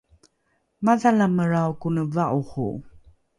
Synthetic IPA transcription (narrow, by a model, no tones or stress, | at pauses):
maðalaməɾawkunəvaʔuχṵ